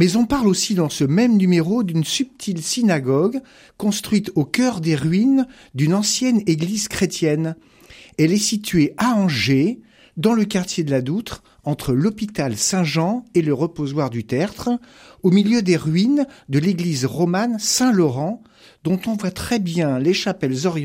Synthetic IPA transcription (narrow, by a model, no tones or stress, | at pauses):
mɛzɔ̃paʁlosid̪ɑ̃səmɛmnymeʁod̪ynsyp̚t̪ʰilsinaɡɔɡ | kɔ̃st̪χɥit̪okʲœʁd̪eʁɥin | d̪ynɑ̃sjɛneɡlizkχet̪jɛn | ɛlɛsit̪ɥeaɑ̃ʒe | d̪ɑ̃ləkaʁt̪jed̪əlad̪ut̪χ | ɑ̃t̪χəlɔpit̪alsɛ̃ʒɑ̃eləʁəpozwaʁd̪yt̪ɛʁt̪χomiljød̪eʁɥind̪əleɡlizʁɔmansɛ̃lɔʁɑ̃ | d̪ɔ̃t̪ɔ̃vwat̪χɛbjɛ̃leʃapɛlzɔʁj